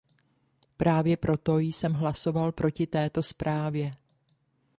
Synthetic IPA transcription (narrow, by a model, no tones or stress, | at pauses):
pɾaːvjɛpɾo̞t̪o̞jsɛmɦlaso̞valpɾo̞cɪt̪ɛːt̪o̞spɾʔaːvjɛ